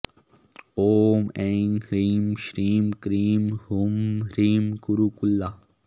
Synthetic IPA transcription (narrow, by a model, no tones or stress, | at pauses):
oːmeŋɾiːmʃɾiːmkɾiːmhumɾiːmkuɾuːkulːa